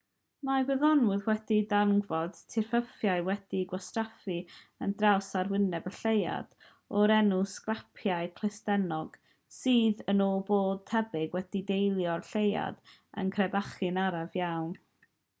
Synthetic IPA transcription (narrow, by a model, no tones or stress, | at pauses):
maɡwɪðɔnʊðwɛdidaŋɡvɔd̥tʰɪrfəfjaɨwɛd̥iɡwastrafi | əndrawsarwɪnɛbəɬeja̰d̥ | ɔɾɛnʊskrapʰjaɨkʰl̥ˠɪstɛnɔɡ̥ | sɨːðənoːboːd̥̚tʰɛbɪɡwɛd̥idejlˠjɔrɬeja̰d̥ə̰nkʰrɛbaχɨnaɾavjawn